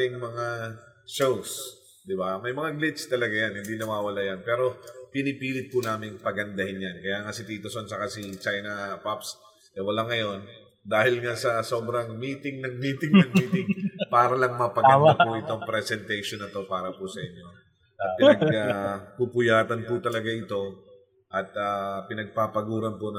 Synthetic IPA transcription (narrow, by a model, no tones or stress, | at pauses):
ɪŋmɐŋaʃows | d̪ɪbamɐjmɐŋaɡlɪt̪t͡ʃt̪ɐlɐɡajanhɪnd̪inɐwaːwɐlajanpɛːɾo̞pɪnɪpiːlɪt̪̚pʊnaːmɪŋpɐɡɐnd̪ɐhɪnjankɐjaːŋasɪt̪iːt̪osont͡ʃɐkasit͡ʃajnɐpaps | ʔɛwɐlaŋɐjo̞n | d̪aːhɪlŋasɐso̞bɾɐŋmiːt̪ɪŋnɐŋmiːt̪ɪŋnɐŋmiːt̪ɪŋpaːɾɐlɐŋmɐpɐɡɐnapʊʔɪt̪o̞ŋpɾɛsɛnt̪ɛjʃonːɐt̪o̞paːɾɐpʊsɐʔɪɲjo̞ | ʔɐpɪnɐɡapupʊjaːt̪ɐnpʊt̪ɐlɐɡaʔɪt̪o̞ | ʔɐt̪aːpɪnɐɡ̚papɐɡuːɾɐnpʊnɐ